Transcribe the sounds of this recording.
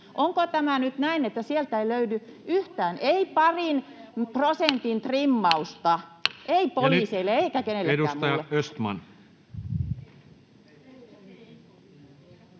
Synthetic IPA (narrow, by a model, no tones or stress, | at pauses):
ʔoŋkot̪æmænyt̪næinet̪ːæsielt̪æeiløydyʔyht̪æːnʔeipɑrinprosent̪int̪rimːɑust̪ɑeipoliːseilːeeikækeneleduæsːtmɑjɑøst̪mɑ̰n